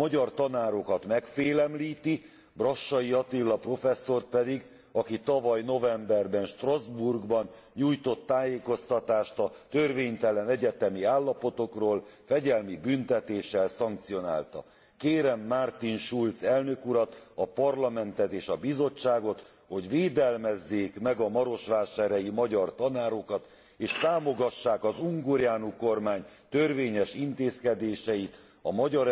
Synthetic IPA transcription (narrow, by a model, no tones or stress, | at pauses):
mɒɟɒrt̪ɒnaːɾo̞kɒt̪mɛkfeːlɛmliːt̪i | brɒʃːɒjiɒt̪ilːɒpro̞fɛsːo̞rt̪̚pɛd̪iɡ | ɒkit̪ɒvɒjno̞vɛmbɛrbɛnʃt̪rɒzburɡbɒn | ɲuːjt̪o̞t̪ːaːjeːko̞st̪ɒt̪aːʃt̪ɒt̪ørveːɲt̪ɛlɛnɛɟɛt̪ɛmiaːlːɒpo̞t̪o̞kroːlfɛɟɛlmibynt̪ɛt̪eːʃɛlsɒŋk̚t̪sio̞na̰ːlt̪ɒ̰ | keːɾɛmːart̪inʃult̪sɛlnø̞kuɾɒt̪ɒpɒrlɒmɛnt̪ɛt̪eːʃɒbizo̞t͡ʃːaːɡo̞t̪ | ho̞ɟʋeːd̪ɛlmɛzːeːkmɛɡɒmɒɾo̞ʃʋaːʃaːɾɛjimɒɟɒrt̪ɒnaːɾo̞kɒt̪ | eːʃt̪aːmo̞ɡɒʃːaːkɒzuŋɡoɾjaːnuko̞rmaːɲt̪ørveːɲɛʃint̪eːskɛd̪eːʃɛjit̪ | ɒmɒɟɒɾ